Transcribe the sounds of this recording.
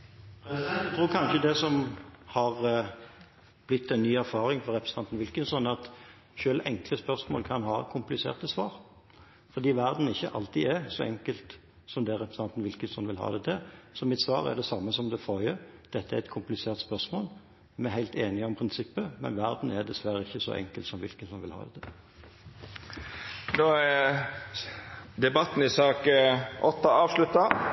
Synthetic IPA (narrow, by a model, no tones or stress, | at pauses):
t̪ʰɾuːkʰɑnʃəd̪ɛsɔmhɑʁ | b̥lɪt̪ʰːɛnːyːæɾfɑːɾɪŋfɔɾɛpɾəsnt̪ʰɑnt̪n̩ʋɪlkənsɔnɑt̪ | ʃøːlʔɛŋkləspœʁsmo̰ːlkʰɑnhɑːkʰʊmplɪsḛːʁt̪əsʋɑːɾ | fɔʁd̪iːʋæɾd̪n̩ɪçːəʔɑlt̪iɛsɔɛŋkəlt̪ | sɔmd̪ɛɾɛpɾsɑnt̪n̩ʋɪlkənsɔnʋɪlhɑ̰ːd̪ɛt̪ʰɛsɔmɪt̪sʋɑːʁæ̰d̪ɛsɑmːəsɔmd̪ɛfojəd̪̥ɛt̪ːəæɛt̪kʰʊmplɪseːʁt̪spœʁsmoːl | mɛɦæɪlt̪eːnɪəɔmpʰɾɪnsɪpːəmɛ̰nʋæʁd̪n̩ɛd̪ɛsʋæɾəɪçːəsɔ̰ʔɛ̰ŋkəlt̪sɔmʋɪ̰lkəsɔnʋɪlhɑ̰ːd̪ɛt̪ʰə | noː | d̪ɛbɑt̪n̩ɪsɑːkʔɔt̪ːɑɑːʋʂlʉt̪ːɑ